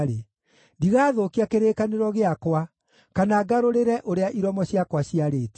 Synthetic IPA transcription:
ɾe | ndiɣaːðokiakeɾeːkaneɾɔɣeakwa | kanaːɡaɾoɾeɾɛʔoɾeaʔiɾɔmɔɕiakwaɕiaɾeːte̥

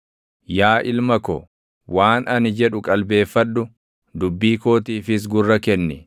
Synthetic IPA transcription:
jaːʔɪlmɐkɔ̰ | waːnʔɐnɪd͡ʒɛᶑʊkʼɐlbe̞ːfːɐᶑːʊ | d̪ʊbːiːko̞ːt̪iːfɪs̬ɡʊrːɐkɛnːɛ

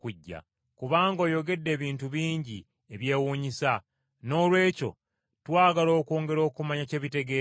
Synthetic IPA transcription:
kuɟːa̰ | kuβaːŋɡo̞ːjo̞ɡe̞dːe̞ːβiːntuβiːɲɟi | e̞βje̞ːwuːɲisa | no̞lwe̞ːco̞̰ | twaːɡalo̞ːko̞ːŋɡe̞ɾo̞ːkumaɲace̞ːβite̞ɡe

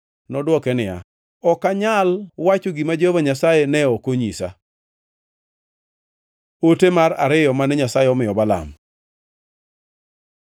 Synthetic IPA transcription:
nɔdwɔkɛnɪja̰ | ɔkaɲalwat͡ʃoɡimad͡ʒovaɲasajenɛɔkoɲisa̰ | otemaɾa̰ɾɪjɔmanɛɲasaeɔmɪɔbala̰m

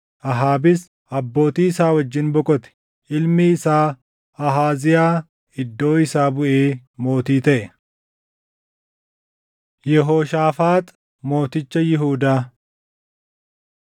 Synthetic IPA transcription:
ʔɐɦaːbɪs | ʔɐbːo̞ːt̪iːɪsaːwɐd͡ʒːɪnbɔkʼɔt̪ɛ̥ | ʔɪlmɪɪsaː | ɐɦaːzɪjaː | ɪd̪ːo̞ːɪsaːbʊʔeːmo̞ːt̪iːt̪ɐʔɛ | jɛɦoːʃaːfaːt̪ | mo̞ːt̪ɪt͡ʃːɐjɪɦuːd̪aː

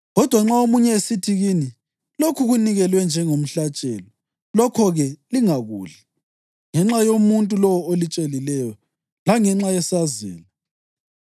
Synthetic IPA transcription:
ɣɔd̥ʱwaŋ͡ǁaomuɲɛesitʰiɣiːni | lokʰuɣuniɣɛlwɛnd͡ʒʱɛŋom̩ɬat͡ʃʼɛ̰ːlɔ | lɔkʰɔɣɛliŋaɣuːɮa | ŋɛŋ͡ǁajomuntʼulɔwɔolit͡ʃʼelilɛjɔ | laŋɛŋ͡ǁajɛsazɛ̰ːla

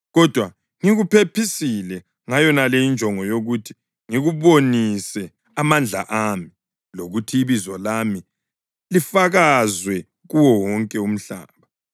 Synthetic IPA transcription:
ɣɔd̥ʱwa | ŋiɣupʰepʰisilɛ | ŋajɔnaleind͡ʒʱɔŋɔjoɣutʰi̥ | ŋiɣuβonisɛ | amand͡ɮʱa̰ʔami | loɣutʰiiβizwɔlami | lifaɣazwɛ | ɣuwɔwɔŋkʼɛum̩ɬa̰ːβa

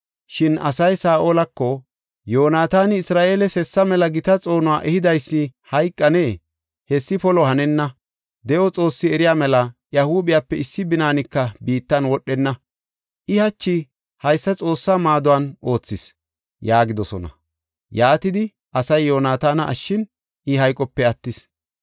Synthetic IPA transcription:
ʃɪnɐ̰sɐjsaːʔoːlɐkːɔ | joːnaːt̪aːnɪɪsɾaːʔeːlɛsɛsːɐmɛlɐɡɪt̪ɐt͡sʼo̞ːnʊwaːʔɛhɪd̪ɐjsːɪhɐjkʼːɐneː | hɛsːɪpɔlɔhɐnɛnːɐ | d̪ɛʔɔt͡sʼo̞ːsːɪɛɾɪjaːmɛlɐjɐhuːbɪjaːpːɛɪsːɪbɪnaːnɪkːɐbiːt̪ːɐnwɔɗːɛnːɐ | ʔɪhɐt͡ʃːɪ | hɐjsːɐt͡sʼo̞ːsːaːmaːd̪ʊwanʔo̞ːt͡sːɪs | jaːɡɪd̪ɔsɔ̰nɐ̰ | jaːt̪ɪd̪ɪ | ʔɐsɐjːo̞ːnaːt̪aːnɐʔːʃːɪn | ʔɪhɐjkʼɔpːɛɐt̪ːɪs

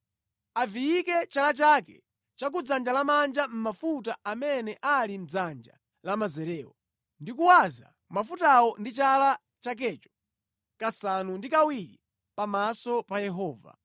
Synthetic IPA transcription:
avijikɛt͡ʃalat͡ʃakɛ̰ | t͡ʃak̬ud͡zand͡ʒalamand͡ʒam̩mafutaamɛnɛʔalim̩d͡zand͡ʒa̰ | lamazɛɾɛːwɔ | ndikuwaza̰ | mafutawɔndit͡ʃala | t͡ʃak̬ɛːt͡ʃɔ̥ | kasanundikawiɾi | pamasɔpajɛɦɔːva̰

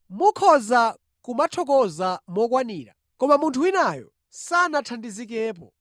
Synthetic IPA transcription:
mukʰɔza | kumatʰɔk̬ɔzamɔk̬waniːɾa̰ | kɔmamuntʰuinajɔ̰ | sanatʰandizikɛːpɔ̰

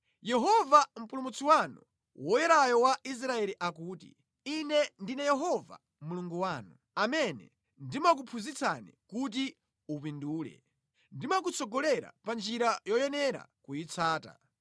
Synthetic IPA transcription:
jɛɦɔvam̩pulumut͡siwanu | wɔjɛɾajɔwais̬ɾaɛliʔakuːtḭ | inɛndinɛjɛɦɔva̰ | muluŋɡuwaːnu | amɛnɛ̰ | ndimak̬upʰuzit͡sʰa̰nḭkut̬i | upinduːlɛ̰ | ndimak̬ut͡sʰɔɡɔlɛɾa̰pand͡ʒiɾajɔjɛnɛɾa̰kujit͡sʰaːta̰

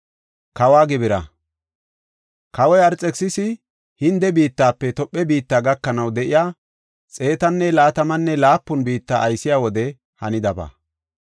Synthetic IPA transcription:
kɐwaːɡɪbɪɾɐ̰ | kɐwɔjɐɾt͡sʼːɛksɪsɪ | hɪnd̪ɛbiːt̪ːaːpːɛt̪ɔpʼːɛbiːt̪ːaːɡɐkːɐnɐwd̪ɛʔɪjaː | t͡sʼe̞ːt̪ɐnːɛlaːt̪ɐmɐnːɛlaːpːʊnbiːt̪ːa̰ːɐjsɪjaːwɔd̪ɛ | hɐnɪd̪ɐbɐ̰

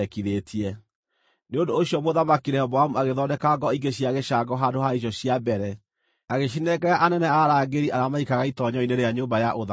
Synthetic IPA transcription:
ɛkiðetʰiɛ | neondoːɕiɔmoðamakiɾɛhɔbɔamuaɣeðɔdɛkaɡɔiɡeɕiaɣeʃaɡɔɦaːndoɦaiɕ̬ɔɕijabɛɾɛ | aɣeʃ̬inɛkɛɾaʔanɛnɛaɾaːɡeɾiʔaɾamaikaɣaitɔɲɔineɾeaɲombajaʔoða

